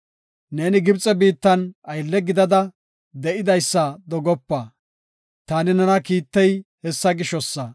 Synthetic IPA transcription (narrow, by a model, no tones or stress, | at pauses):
neːnɪɡɪbt͡sʼɛbiːt̪ːɐnɐjlːɛɡɪd̪ɐd̪ɐ | d̪ɛʔɪd̪ɐjsːɐd̪ɔɡɔpːɐ | t̪aːnɪnɐnɐkiːt̪ːɛjhɛsːɐɡɪʃɔsːɐ